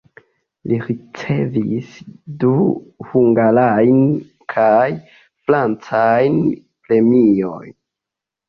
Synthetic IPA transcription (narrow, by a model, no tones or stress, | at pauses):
liɾit͡se̞visduhuŋɡalajn | kʰaj | fɾant͡sajn | pɾe̞mio̰jn